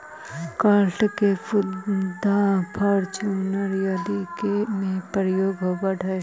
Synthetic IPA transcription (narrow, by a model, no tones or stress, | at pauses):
kaːɾʈkepʊd̪apʰɐɾt͡ʃunəɾjad̪ikemẽpəɾjoːɡɦobəʈɛ